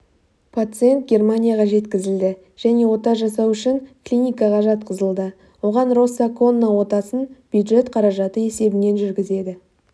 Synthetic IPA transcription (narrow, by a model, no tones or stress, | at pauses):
pʰat̪sɨe̞nt̪̚ɡʲe̞rmanʲijaʁɑʒe̞t̪kʲɪzɪld̪ɪ | ʒ̥æne̞wo̞t̪ɑʒɑsɑwʏʃɪŋklʲinʲijkɑʁɑʒɑt̪qəzəlˠd̪ə | wo̞ʁɑnro̞sːako̞nːawo̞t̪ɑsənb̥jud̪ʒe̞t̪qʰɑɾɑʒɑt̪əe̞se̞bɪne̞nʒʏɾɡʲɪze̞d̪ɪ